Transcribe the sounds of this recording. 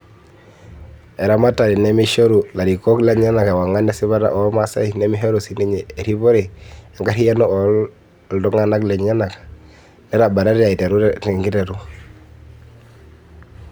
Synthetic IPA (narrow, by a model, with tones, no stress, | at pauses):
ɛ˨ɾa˦ma˦ta˨ɾi˨nɛ˦mi˦ʃo˦ɾu˨la˨ɾi˨kɔ˦klɛ˦ɲa˦na˨ka˨wa˨ŋa˦na˦si˦βa˦ɾa̰˨ʔɔ˨˦ma˦sa̰˦i˨nɛ˦mi˦ɦe˦ɾu˨si˦ni˦ɲeː˨ɾi˦βɔ˦ɾi˨ɛ˨ŋɡa˦ɾi˦ja˦nɔ˦ɔ˨ | ldɔ˦ŋa˦na˦klɛ˨ɲa˦na˨kḁ˨ | nɛ˦ɾa˨ba˨ɾa˦ɾa˨i˨te˨ɾu˦tɛ˨ŋɡi˦tɛ˨ɾu˦